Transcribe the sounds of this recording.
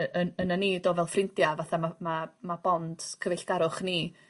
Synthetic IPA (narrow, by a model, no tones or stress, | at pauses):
ənənənidoːvɛlˠfrɪntjavaθamamamab̥ɔnd̥kʰəvɛɬɡ̥aɾʊχni